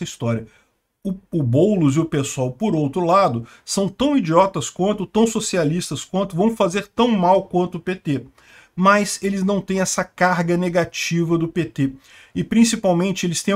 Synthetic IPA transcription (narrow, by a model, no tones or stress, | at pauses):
ɐist̪ɔɾiɐ | ʊʊbowlʊzɪʊpesoawpoɾowt̪ɾʊlad̪ʊ | sɐ̃w̃t̪ɐ̃w̃id͡ʒiɔt̪ɐskwɐ̃nt̪ʊt̪ɐ̃w̃sosialist̪ɐskwɐ̃nt̪ʊvɐ̃w̃fazeɾt̪ɐ̃w̃mawkwɐ̃nt̪ʊːpet̪e | mɐselɪznɐ̃w̃t̪ẽj̃ɛsɐkaɾɡɐneɡat͡ʃivɐd̪ʊpet̪e | ɪpɾĩsipawmẽnt͡ʃɪelɪst̪ẽ